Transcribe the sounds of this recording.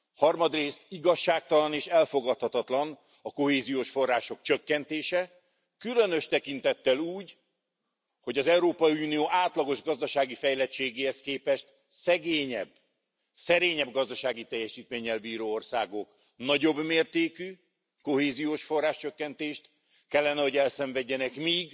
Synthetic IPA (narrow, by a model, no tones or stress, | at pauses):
hɒrmɒd̪reːst̪iɡɒʃːaːk̚t̪ɒlɒneːʃɛlfo̞ɡɒt̪hɒt̪ɒt̪lɒn | ɒko̞heːzijoːʃfo̞rːaːʃo̞kt͡ʃøkːɛnt̪eːʃɛ | kylø̞nø̞ʃt̪ɛkint̪ɛt̪ːɛluːɟ | ho̞ɟɒzɛuɾoːpɒjiuːnijoːʔaːt̪lɒɡo̞ʒɡɒzd̪ɒʃaːɡifɛjlɛt͡ʃːeːɡeːhɛskeːpɛʃt̪ | sɛɡeːɲɛ̰bː | sɛɾeːɲɛbɡɒzd̪ɒʃaːɡit̪ɛjːɛʃiːt̪meːɲɛlbiːɾoːorsaːɡo̞k | nɒɟo̞bmeːrt̪eːky | ko̞ɦeːzijoːʃfo̞rːaːʃt͡ʃøkːɛnt̪eːʃt̪ | kɛlːɛnɛɦo̞ɟɛlsɛɱvɛɟːɛnɛkmiːɡ